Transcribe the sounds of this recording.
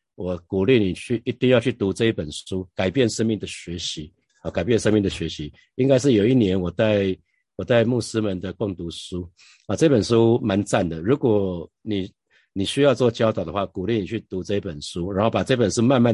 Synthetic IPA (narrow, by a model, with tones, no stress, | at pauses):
wɔ˨˩ku˨˩li˥˩˨ni˨˩t͡ɕʰy˥˩i˧˥t̪i˥˧ŋjɑ˥˧ʊt͡ɕʰy˥˩t̪u˧˥t͡sɤ˥˧i˥˩pə˨˩nʂu˦˥ka˨˩ɪpjɛ˥˩nʂə˥nmi˥˩ŋd̪ə˩ɕɥɛ˧˥ɕi˧˦ | ɔ˧˩ka˨˩ɪp̬jɛ˥˨nʂə˥nmi˥˩ŋd̪ə˩ɕɥɛ˧˥ɕi˧˦ | i˥ŋka˥ɪʂɻ̩˥˩jo˨˩ʊi˥˩njɛ˧˥nwɔ˨˩ta˥˩ɪ | wɔ˨˩t͡sa˥˧ɪmu˥˩sɹ̩˦˥mə˧˦nd̪ə˨kwʊ˥˩ŋt̪u˧˥ʂu˦ | ɔ˨ɤ˥˧i˥pə˨˩nʂu˦˥ma˧˦nt͡sa˥˩nd̪ə˩ɻu˧˥kwɔ˨˩ | ni˨˩ | ni˨˩ɕy˥jɑ˥˧ʊt͡swɔ˥˨˩t͡ɕjɑ˥ʊt̪ɑ˨˩ʊd̪ə˩˦xwa˥˩ku˨˩li˥˩ni˨˩t͡ɕʰy˥˩t̪u˧˥t͡sɤ˥˧i˥pə˨˩nʂu˥ɻa˧˥nxo˥˩ʊpa˨˩ʈ͡ʂɤ˥˧i˥pə˨˩nʂu˥ma˥˧nma˥˨